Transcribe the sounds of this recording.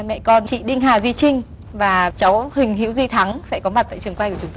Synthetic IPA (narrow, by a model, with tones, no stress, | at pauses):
mɛ̰˧˨kɔ˧nt͡ɕḭ˧˨ɗï˧ŋ̟ɦaː˨˩wzi˧t͡ɕï˧ŋ̟ | vaː˨˩t͡ɕa˨˦whï˨˩ŋ̟ɦḭ˧˥wzi˧t̪ʰa˨˦ŋsɛ̰˧˥kɔ˨˦ma˨˩t̚t̪a̰ː˧˨jt͡ɕɨ˨˩əŋkwaː˧jkʊ˨˦ŋ͡mt̪